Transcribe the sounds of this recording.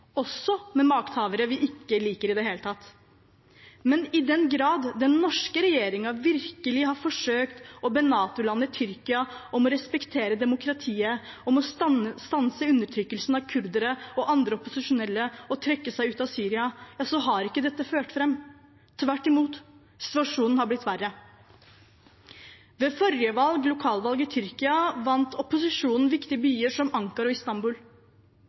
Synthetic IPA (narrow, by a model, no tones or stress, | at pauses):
ɔsːɔmɛmɑːkt̪hɑːʋəɾəʋɪʔɪkːəliːkəɾɪd̪ɛɦeːlət̪ʰɑt̪ː | mɛnɪd̪ɛnɡɾɑːd̪ːɛnːɔʂkəɾɛjeːɾɪŋɑʋɪɾkəlɪhɑɾfɔʂøːkt̪ɔbenɑːt̪ʊlɑnːəɪt̪ʰʏɾkɪɑɔmɔɾɛspɛkt̪ʰeːɾəd̪ɛmʊkʰɾɑt̪ʰiːə | ɔmɔst̪ɑnsəʉnːəʈʰɾʏkːəlsnɑʋkʰʉɾd̪əɾəɔʔɑnd̪ɾəɔpʊsɪʂʊnɛlːəɔt̪ʰɾɛkːəsæɪʉːt̪ɑʋsyːɾɪɑjɑːsɔɦɑɾɪkːəd̪ɛt̪ːəføːʈfɾɛm | t̪ʰʋæʈːɪmuːt̪ | sɪ̥t̪ʉɑʂuːnn̩hɑɾblɪt̪ːʋærːə | ʋeːfɔɾjəʋɑlɡlʊkʰɑːlʋɑlɡət̪ʰʏɾkɪɑʋɑnt̪ʰɔpʊsɪʂuːnn̩ʋɪkt̪ɪəbyːəʂɔmɑŋkɑɾɔɪst̪ɑmbuːl